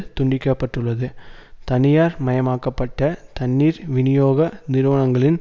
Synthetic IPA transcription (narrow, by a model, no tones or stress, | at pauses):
t̪ʊɳɖɪkːɐpːɐʈːɯɭːɐðɯt̪ɐnɪjaːɾmɐjɐmaːkːɐpːɐʈːɐt̪ɐɳːiːɾʋɪnɪjoːɣɐnɪɾɯʋɐɳɐŋɡɐɭɪn